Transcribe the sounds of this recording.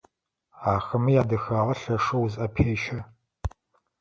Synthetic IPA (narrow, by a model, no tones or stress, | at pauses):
aːxɐmɨjaːdɐxaːʁɐɬɐʂɨwuzɐpʰeːʃɐ